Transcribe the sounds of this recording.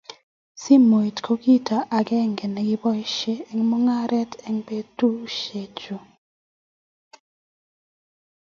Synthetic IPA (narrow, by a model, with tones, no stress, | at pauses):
si˦mo˨i˨tkʰo˦ki˦ta˨ʔa˨ɡɛ˦˨ŋɡɛ˨nɛ˨ɡɪ˦bɔ˦jʃe˦ɛ˨ŋmo˦ŋa˦ɾʔɛ˦tɛ˦ŋpe˦tu˦ʃe˨t͡ʃo˨